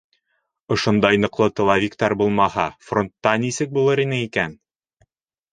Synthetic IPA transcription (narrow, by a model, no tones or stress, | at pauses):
ŏʃond̪ɑjnŏqlˠɤt̪ŏlˠɑvʲikt̪ɑɾbulˠmɑhɑfront̪ːɑnʲisɘk̚bulˠɤɾinɘikæn